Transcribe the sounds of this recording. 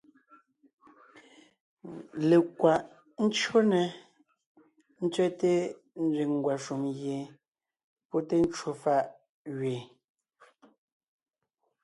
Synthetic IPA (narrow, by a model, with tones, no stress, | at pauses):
le˨kwa˨ʔ | n̩˦t͡ʃo˦nɛ˨ | n̩˦t͡ʃɥɛ˦te˦ | n̩˦ɾi˨ŋ˨ɡwa˨ʃu˨mɣje˨ | pɔ˦te˦n̩˦t͡ʃwo˦fa˦ʔ | ɣɥe˨